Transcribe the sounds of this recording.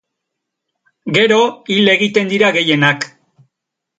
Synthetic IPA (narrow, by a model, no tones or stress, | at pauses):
ɡe̞ɾo̞ile̞ɣit̪e̞nd̪iɾaɣe̞je̞nak